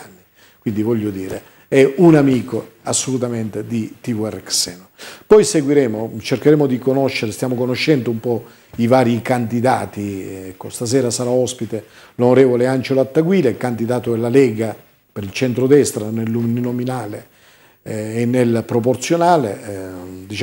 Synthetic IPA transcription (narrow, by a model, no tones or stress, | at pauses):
nːi | kwind̪ivɔʎːod̪iːɾḛ | ɛunamiːko | asːolut̪ament̪ed̪it̪ivuɛrɛksɛ̰nopɔjseɡwiɾɛːmot͡ʃerkeɾeːmod̪ikonɔʃːeɾest̪jaːmokonoʃːɛnd̪oumpɔ | ivaːɾikand̪id̪aːt̪iɛkːost̪as̬ɛːɾasaɾaɔspit̪elonoɾɛːvoleand͡ʒeloat̪ːaɡwiːlekand̪id̪aːt̪oelalɛːɡa | peɾilt͡ʃɛnt̪ɾod̪ɛst̪ɾanelːumninominaːle | nːelpɾop̬ort̪sjonaːle | d̪it͡ʃ